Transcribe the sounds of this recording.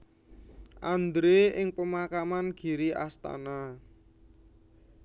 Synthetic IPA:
ʔand̪ɾeɪŋpəmakamanɡ̥i̤ɾiʔa̰st̪a̰na

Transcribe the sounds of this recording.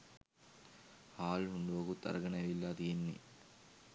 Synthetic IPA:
haːlɦuɳɖuʋɐɡut̪ːɐ̰ɾɐɡɐɳɐɐʋilːaːt̪ijenʋḭ

